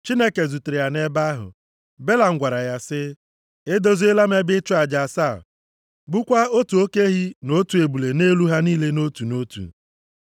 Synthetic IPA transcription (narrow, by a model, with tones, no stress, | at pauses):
t͡ʃi˦ne˦ke˨zu˨te˨ɾe˨ja˨ne˦ba˦ɦʊ̰˨ | be˦la˨ŋ̩˦ɡʷa˨ɾa˨ja˦sɪ˦ | e˦do˦zu˦e˦la˦m˦e˦bɪ˦t͡ʃʊ˦a˨d͡ʒa˨saː˦˨ | ɡ͡bʊ˦kʷa˦o˦tu˨o˦ke˦ɦi˦no˦tu˨e˨bu˨le˨ne˦lu˦ɦa˦niː˦le˦no˦tu˨no˦tṵ˨